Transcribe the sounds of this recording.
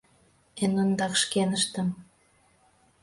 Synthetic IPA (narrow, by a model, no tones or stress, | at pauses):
enond̪ɑkʃkenəʃt̪ə̆m